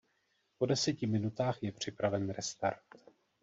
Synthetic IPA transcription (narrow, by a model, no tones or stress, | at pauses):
po̞dɛsɛcɪmɪnut̪aːxjɛpr̝̥ɪpɾavɛnɾɛst̪aɾt̪